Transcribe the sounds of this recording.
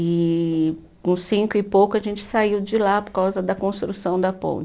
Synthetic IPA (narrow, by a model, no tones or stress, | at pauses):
ɪ | kũsĩŋkʊɪpowkʊɐʒẽnt͡ʃɪ̥saiwd͡ʒɪlapoɾkawzɐd̪ɐkõst̪ɾusɐ̃w̃d̪ɐpõ̰t͡ʃ